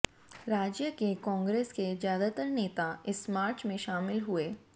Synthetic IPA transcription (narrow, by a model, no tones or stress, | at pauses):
ɾaːd͡ʒjəkekɔ̃ːŋɡɾeːskezjaːd̪at̪əɾneːt̪aɪsmaːɾt͡ʃmẽʃaːmɪlɦueː